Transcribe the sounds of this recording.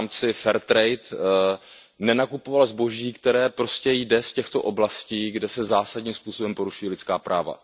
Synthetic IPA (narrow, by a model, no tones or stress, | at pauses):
mt͡sɪfɛɾt̪ɾɛjt̪ | nɛnakupo̞valzbo̞ʒiːkt̪ɛɾɛːpɾo̞scɛjdɛscɛxt̪o̞ʔo̞blasciːɡdɛsɛzaːsadɲiːmspuːso̞bɛmpo̞ɾuʃujɛlɪt͡sskaːpɾʔaːva̰